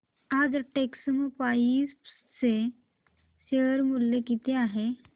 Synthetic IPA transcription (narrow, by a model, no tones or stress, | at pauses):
ad͡zʈeksəmpais | se | seəɾmulːekit̪eaːɦe